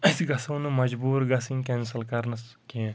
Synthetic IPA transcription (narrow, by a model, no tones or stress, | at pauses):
ɐsɡɐsɐwnumɐd͡ʒbuːɾɡɐsĩŋkensɐlkɐɾnɐskĩ